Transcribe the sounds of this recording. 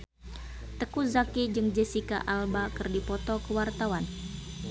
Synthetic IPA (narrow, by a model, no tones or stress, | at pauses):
t̪əkuzakid͡ʒɨŋd͡ʒəsika̰ʔalbakɨrdipɔt̪ɔkəwart̪awan